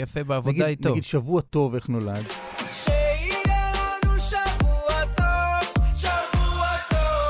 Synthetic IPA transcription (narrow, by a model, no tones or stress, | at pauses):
jafebeavonaɡidaditnoaɡid̪ʃavuato̞veχnolad | ʃeilɛlanuʃavuat̪ovʃavuao